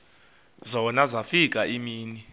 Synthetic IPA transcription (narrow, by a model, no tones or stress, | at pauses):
zɔɔnazafikʼaʔimiːni